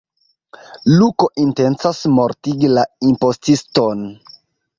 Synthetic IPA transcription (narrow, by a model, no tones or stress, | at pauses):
luko̞ʔintent͡sasmo̞ɾtiɡilaimpo̞stiston